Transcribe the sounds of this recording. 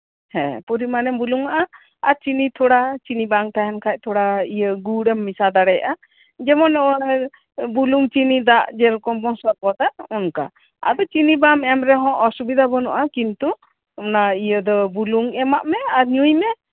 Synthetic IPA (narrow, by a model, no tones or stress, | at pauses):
hɛ̰̃puɾimanɛmbuluŋaʔa | aɾt͡ʃinit̪ʰuɽat͡ʃinibaŋt̪aɦɛnkʰac̚t̪ʰuɽaijəɡuɽɛmːisad̪aɽɛjaʔa | d͡ʒɛmɔnɔ | buluŋt͡ʃinid̪aʔd͡ʒɛɾkɔbɔŋsɔɾpɔt̪aʔɔnka̰ | a̰d̪ɔt͡ʃinibamɛmɾɛɦɔ̃ʔɔsubid̪abɔnɔʔakint̪u | ɔnaijəd̪ɔbuluŋɛmaʔmɛaɾɲujmɛ